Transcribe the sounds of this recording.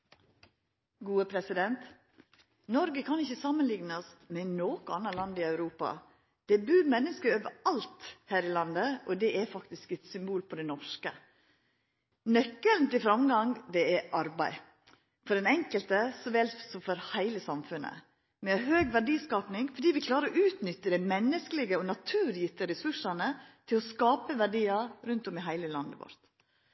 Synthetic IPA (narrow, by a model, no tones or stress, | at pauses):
ɡuːəpʰɾɛsɪd̪ɛnt̪ | nɔɾɡəkʰɑnɪçːəsɑmːənlɪŋnəsmɛnoːkəɑnːəlɑnd̪ɪɑʉɾuːpɑ̰ | d̪̥ɛbʉːɾmɛnːəskəɾoːʋəɾɑlt̪hæːɾɪlɑnd̪əʔɔd̪ɛʔɛfɑkt̪ɪskɛt̪sʏmbuːlpʰɔd̪ɛnɔʂkə | nœkːəlnt̪ɪfɾɑmɡɑŋd̪ɛɛʔɑɾbæɪ | fɔɖɛnɛŋkəlt̪əsɔʋɛlt̪sɔmfɔɾhæɪləsɑmfʉnə̰ | mɛɛɦøːɡʋæɖiːskɑːpnɪŋfɔɖiːʋɪkʰlɑːɾəɾɔʔʉːt̪nʏt̪ːəd̪æɪmɛnːəskəlɪɡəɔnɑt̪ʰʉːɾjɪt̪əɾɛsʉʂɑnət̪ʰɪlɔskɑːpəʋæɖiːɑɾʉnt̪ɔmɪɦæɪləlɑnd̪əʋɔ̰ɾt̪